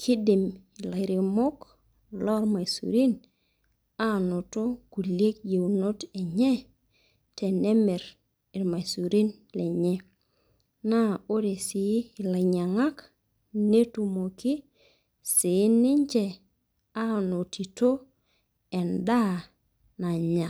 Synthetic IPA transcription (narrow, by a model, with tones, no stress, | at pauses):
kʰɪ˦dɪ˨mɪ˨la˨ɾɪ˨mo˦k | lɔ˦ɾma˨sṵ˨ɾi˦n | a˦no˨to˦ɡ̥u˨lje˦k̚je˨no˦tɛ˨ɲɛ˦ | tɛ˨nɛ˦mɛ˨ɾ | ɪ˨ɾma˨su˨ɾi˦n | lɛ˨ɲɛ˦ | na˦o˦de˨sɪ˨˦˨la˨ɲa˨ŋa˦k | ne˦tu˨mo˨kɪ˦ | sɪ˨˦nɪ˦ɲd͡ʒɛ˨ | a˦no˨ti˨to˦ | ɛ˨nda˦˨ | na˨ɲa˨